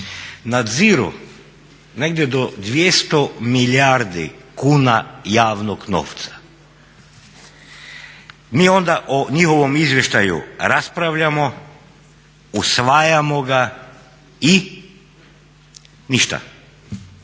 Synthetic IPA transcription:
nad̪ziɾṵ | neɡd̪jed̪od̪ʋjest̪omilaɾd̪ikuːnajaːʋnoɡno̰ft̪sḁ | miːo̞nd̪aʔoɲixo̞ʋomizʋje̞ʃt̪ajṵɾaspɾaʋʎamo | usʋajamoɡa | i | niʃt̪a̰

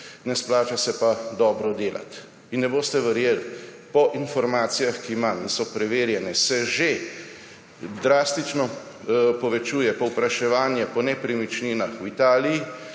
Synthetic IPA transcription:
nɛsplaːt͡ʃasɛpad̪ɔːbɾɔd̪eːlʔa̰t̪ | inːɛboːst̪ɛʋɛɾjeːlpɔʔinfɔɾmaːt̪sijaxkimamsɔpɾɛʋeːɾjɛnɛsɛʒe | d̪ɾaːst̪it͡ʃnɔ | pɔʋɛt͡ʃuːjɛpɔwpɾaʃɛʋaːnjɛpɔnɛpɾimit͡ʃniːnaxwit̪aːliji

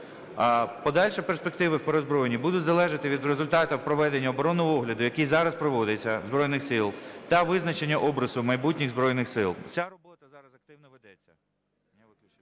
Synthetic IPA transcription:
pɔd̪ɑlʲʃɛperspek̚t̪ɪʋɪwpeɾɔzbɾɔjenʲibud̪ʊtʲzɐlˠɛʒɐt̪ɪʋʲid̪ɾezʊlʲt̪ɑt̪ɐwpɾɔʋɛd̪enʲːɐɔbɔɾɔnːɔɦɔɔɦlʲɐd̪ʊjɐkijzɑɾɐspɾɔʋɔd̪et͡sʲːɐzbɾɔjnɪxsɪlˠt̪ɐʋɪznɐt͡ʃenʲːɐʔɔbɾɐzʊmɐjbutʲnʲɪɣzbɾɔjnɪxsɪlˠt͡sʲarɔbɔt̪ɐzɑɾɐzɐk̚t̪ɪwnɔʋed̪ɛt͡sʲːɐ

